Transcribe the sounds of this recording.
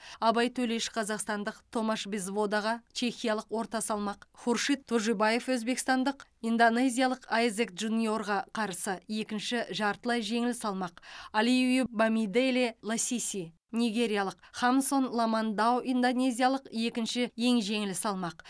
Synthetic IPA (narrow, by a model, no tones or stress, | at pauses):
ɑbɑjt̪ʰɵle̞ʃɪ̥qʰɑzɑqst̪ɑnd̪əqt̪ʰo̞maʃbizvo̞d̪aʁɑt͡ʃʰe̞xʲijalˠəqwo̞ɾt̪ɑsɑlˠmɑqχurʃit̪ʰːuʒubaje̞fwɵzbe̞kst̪ɑnd̪əqind̪one̞zʲijalˠəqajzek̪ʒunijo̞ɾʁɑqʰɑɾsəje̞kʲɪnʃɪʒɑɾt̪əlˠɑjʒe̞ŋɪlɪsɑlˠmɑqalivibamʲid̪elelˠasʲisʲij | nijɡʲe̞ɾʲijalˠəqχamso̞nlˠomand̪awind̪onʲe̞zʲijalˠəqje̞kʲɪnʃɪje̞ŋʒe̞ŋɪlɪsɑlˠmɑq